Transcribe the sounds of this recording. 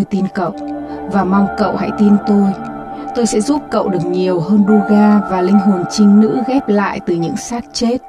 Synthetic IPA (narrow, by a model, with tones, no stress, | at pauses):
jt̪i˧nkə̰˧˨w | vaː˨˩mɔ˧ŋ͡mkə̰˧˨wha̰˧˥jt̪i˧nt̪o˧j | t̪o˧jsɛ̰˧˥zu˦˥p̚kə̰˧˨wɗɨ˨˩ək̚ɲi˨˩əwɦəː˧nɗu˧ɣaː˧vaː˨˩lï˧ŋ̟ɦo˨˩nt͡ɕï˧ŋ̟nɨ̰˧˥ɣɛ˦˥p̚la̰ː˧˨jt̪ɨ˨˩ɲɨ̰˧˥ŋsaː˦˥t̚t͡ɕe˦˥t̚